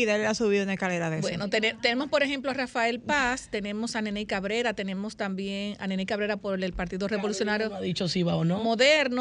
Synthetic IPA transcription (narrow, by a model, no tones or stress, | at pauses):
iðaelasuβiðouneskaleɾaðebwenot̪enet̪e̞ne̞mo̞spoɾeɦe̞mploarafae̞lpast̪e̞ne̞mo̞sanenikaβɾe̞ɾat̪e̞ne̞mo̞st̪ambje̞ŋa̰nenikaβɾe̞ɾapoɾelpaɾt̪iðore̞βo̞lusjo̞naɾjoaðit͡ʃosiβaonomo̞ðe̞ɾno